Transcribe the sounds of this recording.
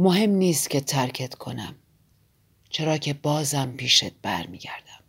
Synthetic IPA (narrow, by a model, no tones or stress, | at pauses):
moɦe̞mniːst̪cʰe̞t̪ʰæɾcʰet̪kʰo̞næ̰m | t͡ʃʰe̞ɾɒːcʰe̞bɒːzæmpʰiːʃet̪̚b̥æ̰ɾmiːɟæ̰ɾd̪̥æm